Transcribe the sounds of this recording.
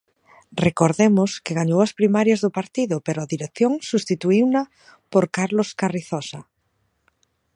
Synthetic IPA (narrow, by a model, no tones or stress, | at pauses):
rekoɾðemʊskɪɣaɲowɐspɾimaɾjɐzðʊpaɾt̪iðʊpeɾʊaðiɾekθjoŋsust̪it̪uiwnɐ | poɾkaɾloskariθɔsa